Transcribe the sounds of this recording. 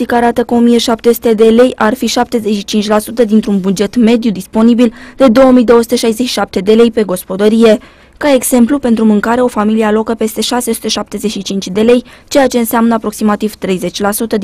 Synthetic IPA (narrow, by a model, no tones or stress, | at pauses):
ikəaɾat̪əkəomije̞ʃapt̪e̞su̥t̪e̞d̪e̞le̞jarfiʃap̚t̪e̞ze̞ʃit͡ʃint͡ʃʲlasut̪əd̪int̪ɾunbud͡ʒe̞t̪me̞d̪jud̪ispo̞nibild̪̥e̞d̪o̞wəmijd̪o̞wosut̪e̞ʃajze̞ʃi̥ʃap̚t̪e̞d̪e̞le̞jpe̞ɡo̞spo̞d̪əɾije̞ | kae̞ɡz̥e̞mplupe̞nt̪ɾumɨŋkaɾe̞o̞familiealo̞kəpe̞st̪e̞ʃase̞su̥t̪e̞ʃap̚t̪e̞ze̞ʃit͡ʃint͡ʃʲd̪e̞le̞jt͡ʃe̞jat͡ʃe̞ɨnseamnəapɾo̞ksimat̪iv̥t̪ɾe̞jze̞t͡ʃʲlasut̪ə